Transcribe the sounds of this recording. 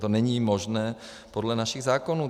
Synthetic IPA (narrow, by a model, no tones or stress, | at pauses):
t̪onɛɲiːmoʒnɛː | podlɛnaʃiɣzaːkonuː